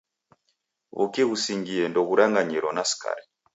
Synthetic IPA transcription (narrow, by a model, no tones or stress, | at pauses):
βṵkiɣusiŋɡiɛndɔɣuɾaŋɡaɲiɾɔnasi̥ka̰ɾi